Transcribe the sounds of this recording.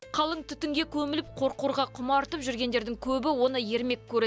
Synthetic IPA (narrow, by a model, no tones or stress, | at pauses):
qʰɑlˠəŋt̪ʰʏt̪ɪŋɡʲe̞kʲʰɵmɪlɪp̚qʰo̞ɾquɾʁɑqʰʊmɑɾt̪əpʒʏɾɡʲe̞nd̪e̞ɾd̪ɪŋkʲʰɵbɪwo̞nəje̞ɾme̞kʲkʰʲːɵɾe